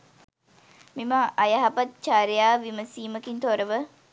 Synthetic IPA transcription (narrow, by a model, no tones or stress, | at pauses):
miməʔɐjɐɦapat̪̚t͡ʃaːɾejaːʋiməsiːməkint̪oɾəʋə